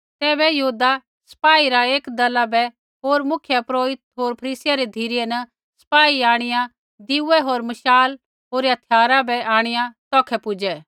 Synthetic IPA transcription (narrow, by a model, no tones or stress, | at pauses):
t̪ɛːβɛjɐɦuːd̪a | sɐ̥paːiɾaeːkd̪ɐlabɛ | ɦoːɾmʊkʰjapɾoːɦɪt̪ɦoːɾpʰɐɾiːsɪjaɾed̪ʱiːɾɪjɛnɐ | sɐ̥paːiaːɽ̃ɪjã | d̪ɪuɛɦoːɾmɐʃaːl | ɦoːɾɐt̪ʰjaːɾabɛʔaːɽ̃ɪjãt̪ɔːkʰɛpʊd͡ʒɛː